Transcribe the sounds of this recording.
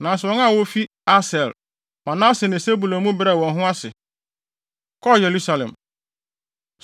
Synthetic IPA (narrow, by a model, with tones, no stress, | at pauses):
nã˨sɔ̃˨˦ŋa˦˨wo˦fi˦ | a˦sɛ˨l | mã˨nã˦sɪ˨nɪ̃˨se˦bu˨lõ˨mũ˦bɪ˦ɾa˨wɔ̃˨nɦʊ̃˦a˦sɪ˨ | kʰɔ˦˨je˨ɾu˦sa˨lɛ̰̃˨m